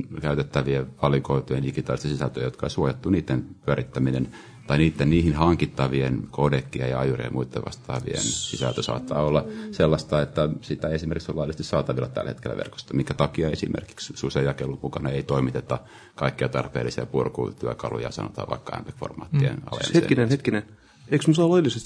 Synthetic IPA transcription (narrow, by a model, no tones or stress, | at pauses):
kæyt̪et̪ːæʋieʋɑlikoit̪ojediɡit̪ɑːlist̪ɑsisælt̪øjot̪kɑḛisuojet̪ːuniːt̪ːenpyøɾit̪ːæminen | t̪ɑiniːt̪ːenniːhinhɑŋkit̪ːɑʋienkodekːiejɑɑjurḭḛmuit̪ːḛʋɑ̰st̪ɑ̰ːʋḭḛnsisælt̪øsɑ̰ːt̪ːɑːolːɑselːɑst̪ɑet̪ːæsit̪æeesimerkiksolːɑilːˑist̪issɑːt̪ɑʋilːɑt̪æ̰lːhḛt̪kelːæ̰ʋḛrko̥st̪ɑmiŋkæt̪ɑkiɑesḭmʔḛrki̥kssusejɑkelːummukɑnɑeit̪oimit̪et̪ːɑ | kɑikːiɑt̪ɑrpḛːlːisiɑ̰purkṵt̪yøkɑlṵjɑ̰sɑ̰no̰t̪ɑːʋɑikːɑæ̰mpekfo̰rmɑ̰ːt̪ːiḛnɑ̰lḛmetkinenhet̪kinen | eiksmusɑːlojlːisest̪